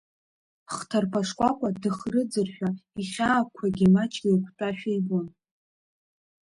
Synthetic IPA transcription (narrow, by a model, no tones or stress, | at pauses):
χtʰarpʰaʂkʷʼakʷʼadɨχrɨd͡zɨrħʷᶣaiχʲaːkʷʰaɡʲimat͡ʃʼɡʲikʷʰtʼaʃᶣejbon